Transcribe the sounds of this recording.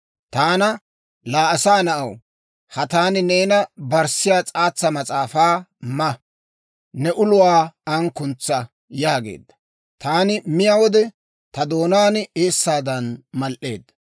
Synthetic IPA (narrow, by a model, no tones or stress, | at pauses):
t̪aːnɐ | laːɐsaːnɐʔɐw | hɐt̪aːnɪne̞ːnɐbɐɾsɪjaːt͡sʼaːt͡sːɐmɐt͡sʼaːfaːmɐ | nɛʔʊlʊwaːɐŋkʊnt͡sːɐ | jaːɡe̞̰ːd̪ːɐ̥ | t̪aːnɪmɪjawɔd̪ɛ | t̪ɐd̪o̞ːnaːneːsːaːd̪ɐnmɐlʔe̞̰ːd̪ːɐ̥